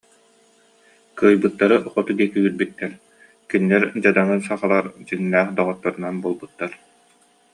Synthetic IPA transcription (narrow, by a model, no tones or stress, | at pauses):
kɯːjbɯt̪ːaɾɯʔχɔt̪ud̪iɛkiyːɾbyt̪ːɛɾ | kyniːɛɾd͡ʑad̪aŋɯsaχalˠaɾd͡ʑɯŋnæːχd̪ɔʁɔt̪ːaɾɯnanbuːlˠbɯt̪ːaɾ